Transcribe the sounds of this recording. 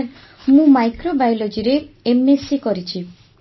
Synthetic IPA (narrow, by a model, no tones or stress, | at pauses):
ɾ | mũmajkɾobajlod͡ʒiɾeemesikɔɾit͡ʃʰi